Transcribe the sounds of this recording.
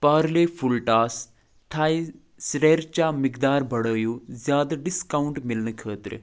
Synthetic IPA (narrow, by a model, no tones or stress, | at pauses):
paːɾleːpʰʊlʈaːs | t̪ʰaːi | sɾeːɾt͡ʃaːmɪkd̪aːɾbɐɽoːjuzjaːd̪aɖɪskaʊɳʈmɪlnkʰəːt̪ɾ